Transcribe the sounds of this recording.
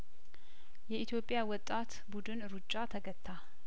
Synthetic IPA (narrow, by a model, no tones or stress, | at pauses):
jɛit̪ʰjo̞pʼjawɔt̪ʼːat̪ | bud̪ɨnɾut͡ʃʼːat̪ʰəɡət̪ʰːa